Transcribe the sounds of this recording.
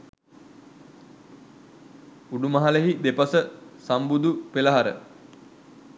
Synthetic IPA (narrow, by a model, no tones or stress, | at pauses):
uɖumɐɦaleɦid̪epɐsəsambud̪upelaɦaɾə̰